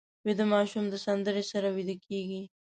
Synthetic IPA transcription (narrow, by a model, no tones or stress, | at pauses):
wed̪əmɑʃumd̪əsand̪əɾesaɾawid̪əkʰeɡi